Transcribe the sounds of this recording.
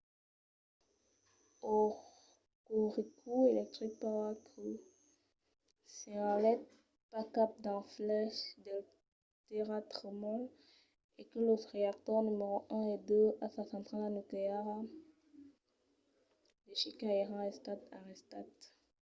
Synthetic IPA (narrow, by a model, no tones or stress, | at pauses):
ɔ | kuʁikʰuelɛk̚t̪χik̚paʁakə | sɛãlɛt̪̚ | pakap̚d̪ɛ̃flɛʃd̪e | t̪eʁat̪χəmɔ̃ | ekəloʁeak̚t̪ɔʁnymeʁoʔɛ̃ed̪øasasɑ̃t̪χalanukleaʁa | leʃikaeʁɑ̃ɛst̪at̪aʁist̪at̪